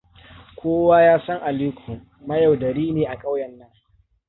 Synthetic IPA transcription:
kʷoː˦waː˦jaː˦sɐ˦ŋʔa˨liː˦kʷʰʊ˨ | mɐ˦jɐ˨wdɐ˨ɾiː˦neː˨ʔa˨kʼa˦wjɐ˨nːɐ˦ŋ

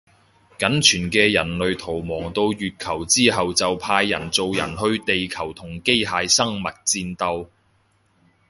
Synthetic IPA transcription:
kɐ˨˥nt͡ʃʰyː˨˩nkɛː˧jɐ˨˩nlɵ˨ɥt̪ʰo˨˩wmɔː˨˩ŋt̪o˧wjyː˨t̚kʰɐ˨˩wt͡siː˥ɦɐ˨wt͡sɐ˨wpʰaː˧jːɐ˨˩nt͡so˨˧wjɐ̰˨˩nɦɵ˧ɥt̪e˨jkʰɐ˨˩wt̪ʰʊ˨˩ŋke˥jɦaː˨˧jsɐ˥ŋmɐ˨t̚t͡siː˧nt̪ɐ˧w

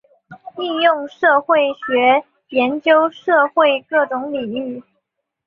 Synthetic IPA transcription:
i˥˧jʊ˥˧ŋʂɤ˥˧xwe˥˩ɪɕɥɛ˧˥ | jɛ˧˥nt͡ɕjo˥ʊʂɤ˥˧xwe˥˧ɪkɤ˥˩ʈ͡ʂʊ˧˥ŋli˨˩ŋy˥˩

